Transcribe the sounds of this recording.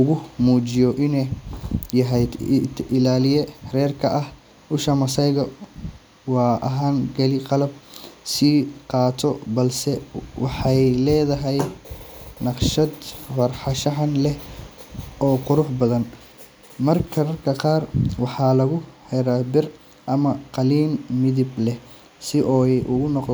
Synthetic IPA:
ʊɣʊmuːt͡ʃɪjɔʔɪnɛjɐɦɛjd̪ʔɪlaːlɪjɛrɛːrkʰɐʔɐh | ʔʊʃɐmɐsɐjɣɐ | wɑːʔɐ̰ɦaːŋɡɐlɪqɑlɐb̚siːqɑːt̪ʰɔbɐlsɛwɑħɑjlɛːðɐɦɛj | nɑqʃɐd̪fɐrħɑʃɐħɑnlɛ | ɔːqʊɾʊħbɐðɐn | mɐrkʰɐrkʰɐqɑːrwɑħɑːlɐɣʊhɛɾɐbɪr | ʔɐmɐqɑliːnmɪðɪblɛh | sɪʔɔːɛjʔʊɣʊnɔq

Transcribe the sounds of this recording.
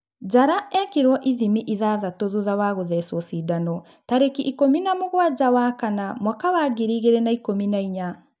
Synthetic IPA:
d͡ʑaɾaɛakeɾwɔʔiðimiʔiðaːðatoðuðawaɣoðɛsɔsiːdanɔ | taɾekiʔikominamoɣwad͡ʑawaːkanamwakawaːɡiɾiːɣeɾɛnaikominaiɲa

